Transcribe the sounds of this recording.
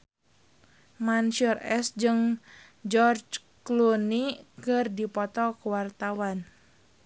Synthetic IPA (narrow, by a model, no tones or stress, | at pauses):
manʃɔrɛsd͡ʒɨŋ | d͡ʒɔrd͡ʒ | klunikɨrdipɔt̪ɔkəwart̪awan